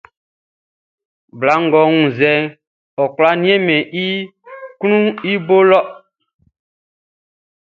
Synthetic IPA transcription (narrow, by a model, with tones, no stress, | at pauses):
bla˨˦ŋ˨ɡɔ˨ŋũ˨zɛ˨ | ɔ˨kla˦nĩ˦e˦mɛ̃˨ʔi˦kũ˦i˦bo˦lɔ˦